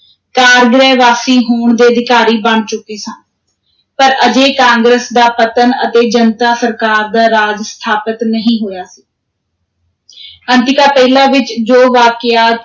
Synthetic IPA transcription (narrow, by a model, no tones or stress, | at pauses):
kaːɾɡɾɛːʋaːsiːɦoːɳd̪eːəd̪ɪkaːɾiːbəɳt͡ʃʊkeːsə̃ː | pəɾəd͡ʒeːkãːŋɡɾəsd̪aːpət̪ənə̰t̪eːd͡ʒənt̪aːsəɾkaːɾd̪aːɾaːd͡ʒst̪ʰaːpət̪nəɦĩːɦoːjaːsiː | ənt̪ɪkaːpɛːlãːʋɪt͡ʃd͡ʒoːʋaːkɪaːt̪